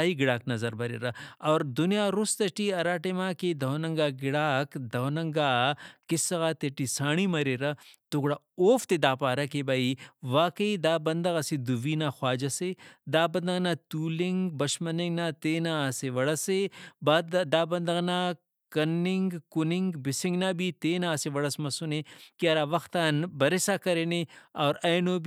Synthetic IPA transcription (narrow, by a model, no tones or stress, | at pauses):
aiɡɪɽaːknɐzɐɾbɐɾḛːɾɐɔːɾd̪ʊnijaːɾʊst̪ɐʈiɐɾaːʈemãːked̪ɐonɐŋɡaːɡɪɽaːkd̪ɐonɐŋɡaːkɪsɐɣaːt̪eʈisaːɽ̃imɐɾeɾɐt̪ʊɡɽa | oːft̪ed̪aːpaːɾɐkebaiʋaːkɐid̪aːbɐnd̪ɐɣɐsid̪uʋiːnaxwaːd͡ʒɐsed̪aːbɐnd̪ɐɣnaːt̪uːlɪŋɡbɐʃmɐnɪŋɡnat̪eːnaseʋɐɽɐsebad̪aːbɐnd̪ɐɣna | kɐnːɪŋɡkʊnɪŋɡbɪsɪ̃ŋɡnaːbit̪eːnaːseʋɐɽɐsmɐsunekiɐɾaːʋɐxt̪aːnbɐɾesakɐɾeːneɔːɾɐjnoːb